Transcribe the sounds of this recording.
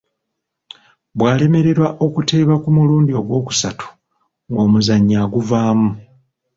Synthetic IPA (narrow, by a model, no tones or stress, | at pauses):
bwaːle̞me̞ɾe̞ɾwaʔo̞kute̞ːβakumuluːndio̞ɡwo̞ːku̥satʰu̥ | ŋɡo̞ːmuzaɲːaɡuvaːmu